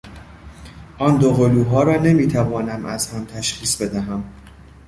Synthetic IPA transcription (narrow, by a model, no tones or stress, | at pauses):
ʔɒːnd̪oɣoluːɦɒːɾɒːne̞miːt̪ʰævɒːnæmʔæzhæmt̪ʰæʃχiːsbe̞d̪æɦæm